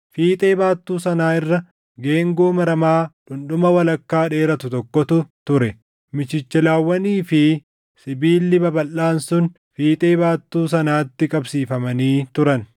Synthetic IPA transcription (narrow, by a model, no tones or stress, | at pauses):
fiːt̪ʼe̞ːbaːt̪ːuːsɐnaːɪrːɐ | ɡe̞ːŋɡoːmɐɾɐmaːᶑʊnɗʊmɐwɐlɐkːaːᶑe̞ːɾɐt̪ʊt̪ɔkːɔt̪ʊt̪ʊɾɛ | mɪt͡ʃɪt͡ʃːɛlaːwːɐniːfɪ | sɪbiːlːɪbɐbɐlːaːnsʊn | fiːt̪ʼe̞ːbaːt̪ːuːs̬ɐnaːt̪ːɪkʼɐbsiːfɐmɐniːt̪ʊɾɐn